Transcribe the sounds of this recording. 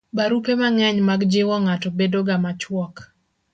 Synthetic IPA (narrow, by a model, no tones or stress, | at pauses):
baɾupemaŋɛɲmaɡd͡ʒewɔŋatɔbedoɡamat͡ʃwɔk